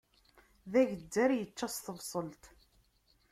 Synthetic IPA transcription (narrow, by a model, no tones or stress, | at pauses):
ðæʝəd͡zːæɾjət͡ʃːæst̪əvsˤəlt̪